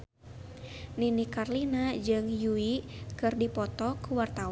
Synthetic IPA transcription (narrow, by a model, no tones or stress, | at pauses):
ninikarlinad͡ʒɨŋjuikɨrdipɔt̪ɔkuwart̪a